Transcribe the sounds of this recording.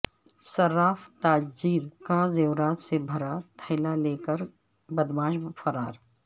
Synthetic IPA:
sɐɾaːft̪aːd͡ʒd͡ʒiːɾkaːzewɾaːt̪sebʱɐɾat̪ʰəɪlaleːkəɾ | bəd̪bãːʃfʰɐɾaːɾ

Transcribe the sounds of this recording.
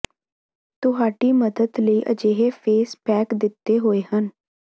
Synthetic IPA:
t̪ʊɦaːʈiːməd̪əd̪ləiːʔə̰d͡ʒeːɦepʰeːspɛːkd̪ɪt̪ːeːɦoːeːhən

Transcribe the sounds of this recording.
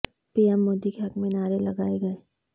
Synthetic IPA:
piːɛmːoːd̪ikeɦɐkmẽnaːɾelɐɡaːeɡɐeː

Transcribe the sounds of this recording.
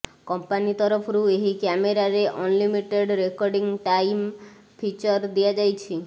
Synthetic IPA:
kɔmpanit̪ɔɾɔpʰɔɾueɦikjameɾaɾeʔɔnlimiʈeɖɾekɔɾɖiŋʈajm | pʰit͡ʃɔɾd̪iad͡ʒajt͡ʃʰi

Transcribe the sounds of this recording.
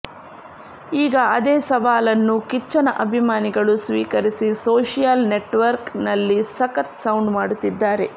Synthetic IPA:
iːɡɐɐd̪eːsɐʋaːlɐnːukit͡ʃːɐnɐʔɐbʱimaːniɡɐɭusʋiːkɐɾisisoːʂijalne̞ʈʋɐɾknɐlːisɐkɐt̪sɐwɳɖmaːɽut̪ːid̪ːaːɾe̞

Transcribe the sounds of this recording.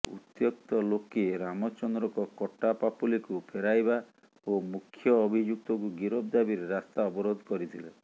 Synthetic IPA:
ṵt̪jɔk̚t̪ɔlokeɾamɔt͡ʃɔnd̪ɾɔkɔkɔʈːapapʰulikupʰeɾajba | omukʰːjɔːbʱid͡ʒuk̚t̪ɔkuɡiɾɔb̚d̪abiɾeɾast̪aɔbɔɾod̪ʱkɔɾit̪ʰilḛ

